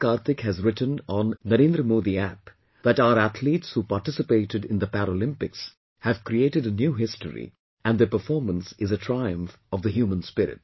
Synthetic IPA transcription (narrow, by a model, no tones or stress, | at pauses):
kaːɾt̪ɪkhæzɾɪʈə̃nɔ̃nːəɾẽnd̪ɾəmud̪iæp | d̪æʈaʊəɾæt̪ʰliːʈshuːpaɾʈɪsɪpeɪʈɨɖɪ̃nd̪əpæɾolɪ̃mpɪks | hævkɾieːʈɨɖənjuːɦɪstə̰ɾḭ | ʔæ̃nɖd̪əɾpəɾfɔːɾmə̃nsɪzətʰɾaɪə̃ɱf | ɔvd̪əɦjuːmə̃nspɪɾɪ̰ʈ̚